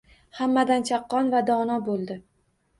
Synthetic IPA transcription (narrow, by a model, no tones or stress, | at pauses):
hamːad̪ant͡ʃʰɑqːɒnvad̪ɒnɒbolˠd̪ɪ